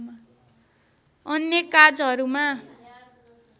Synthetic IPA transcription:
ma | ʌnjekad͡zɦʌɾuma

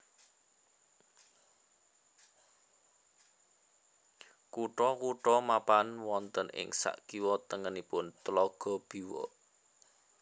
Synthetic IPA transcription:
kuʈɔkuʈɔmapanwɔnt̪ənʔɪ̰ŋsa̰ʔkiwɔt̪əŋənipʊnt̪əlɔɡ̥ɔ̤b̥i̤wɔ̰

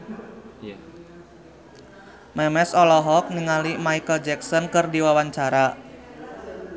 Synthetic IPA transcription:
mɛmɛsɔlɔɦɔk̚niŋalimaikəld͡ʒɛksɔnkɨrdiwawaɲt͡ʃaɾa

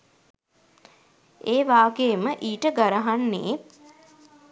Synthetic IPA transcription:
eːʋaːɡeːməʔiːʈəɡaɾaɦanːḛt̪

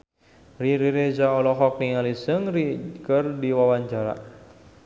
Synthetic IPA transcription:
riɾiɾed͡ʒaɔlɔɦɔk̚niŋalisəŋrikərdiwawaɲt͡ʃaɾa̰

